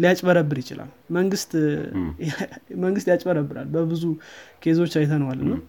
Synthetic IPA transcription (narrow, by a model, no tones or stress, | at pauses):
lijat͡ʃʼməɾəbːɨɾjɪt͡ʃɪla̰l | məŋɡɨst̪ | məŋɡɨst̪jat͡ʃʼməɾəbːɨɾa̰lbəbɨzukʰe̞zo̞t͡ʃːajt̪ʰənəwalːɨnːəw